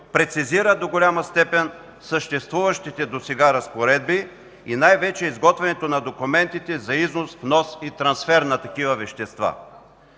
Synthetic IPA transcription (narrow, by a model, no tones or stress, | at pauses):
pɾɛt̪siziɾəd̪oɡolʲamɐst̪ɛpɛn | səʃt̪ɛst̪vuvɐʃt̪it̪ɛd̪osɛɡaɾɐspoɾɛd̪̚bi | inajvɛt͡ʃɛizɡɔt̪vɛnɛt̪onɐd̪okumɛnt̪it̪ɛzɐiznosfnɔsit̪ɾɐnsfɛɾnɐt̪ɐkivɐvɛʃt̪ɛst̪va̰